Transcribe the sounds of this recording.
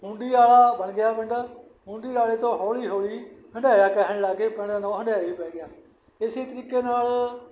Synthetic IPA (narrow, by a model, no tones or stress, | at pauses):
ɦũːɳɖiːaːlaːbənɡɪjaːbəɳɖ | ɦʊ̃ːɳɖiːaːleːt̪õːɦɔːliːɦoːliːɦəɳɖaːjaːkɛːɦnlaːɡeːpəɳanõːɦəɳɖaːiːpɛːɡɪjaː | ɪsiːt̪əɾiːkeːnaːl